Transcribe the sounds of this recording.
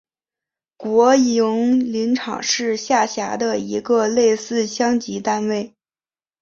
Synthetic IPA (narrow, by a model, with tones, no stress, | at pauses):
kwɔ˧˥jʊ˧˥ŋli˧˥nʈ͡ʂʰɑ̰˨˩ŋʂɻ̩˥˧ɕja˥˩ɕja˧˥d̪ə˧i˧˥ɡə˧le˥˧ɪsɹ̩˥˧ɕjɑ˥ŋt͡ɕi˧˥t̪a˥nwe˥˩ɪ